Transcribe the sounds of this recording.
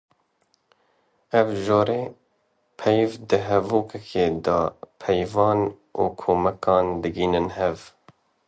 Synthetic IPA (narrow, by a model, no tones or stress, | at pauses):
ɛvʒoːɾeː | pʰɛjvd̪ɨɦɛvuːkʰɛkʰeːd̪ɑːpʰɛjvɑːn | ʔuːkʰoːmɛkɑːnd̪ɨɡiːnɨnhɛv